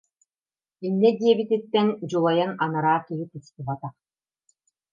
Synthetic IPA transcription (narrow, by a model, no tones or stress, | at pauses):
inːɛd̪iɛbit̪it̪ːɛnd͡ʑulˠɔjananaɾaːkiɦit̪ɯst̪ɯbat̪aχ